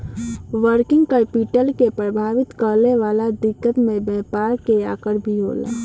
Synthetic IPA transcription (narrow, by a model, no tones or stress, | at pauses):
ʋəɾkɪ̃ŋɡkəpiʈəlkepɾəbʱaːʋɪt̪kəɾleʋalad̪ɪkːət̪mẽbɛɦpaːɾkeakəɾbʱiɦo̰la̰